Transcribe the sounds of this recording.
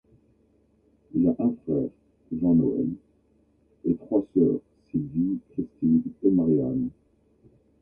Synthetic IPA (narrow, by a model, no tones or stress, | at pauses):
ilaʔɛ̃fχɛʁ | ʒɑ̃no̰ɛ̰n | et̪χwasœ̰ːʁsivikχist̪id̪emaʁja̰n